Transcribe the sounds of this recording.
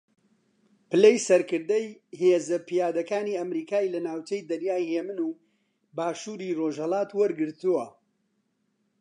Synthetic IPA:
pɨlejsɐɾkɨɾd̪ɐjheːzɐpijaːd̪ɐkaːniːɐmɾiːkaːilɐnaːwt͡ʃejd̪ɐnjaːjheːmɨnuː | baːʃuːɾiːroʒhɐlˠaːt̪wɐɾɡɨɾt̪uwɐ

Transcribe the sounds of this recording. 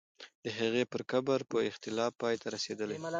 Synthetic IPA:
d̪̥əɦaɣepəɾkabaɾpəɪxt̪ɪlɑfpːɑjt̪ʰaɾased̪əle

